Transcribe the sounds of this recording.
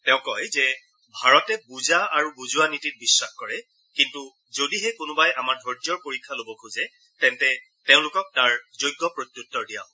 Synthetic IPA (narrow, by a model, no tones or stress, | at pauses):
tɛʊ̃kɔjzɛ | bʱaɹɔtɛbuzaaɹubuzuwanitit̚bisːaxkɔɹɛ | kintu | zodiɦɛkʊnʊbajʔamaɹdʱɔɹtijɔɹpoɹikʰːalobɔkʰuzɛ | tɛntɛ | teʊ̃lʊkɔk̚taɹzojɡːɔpɹotjutːɔɹdija̰ʊ̃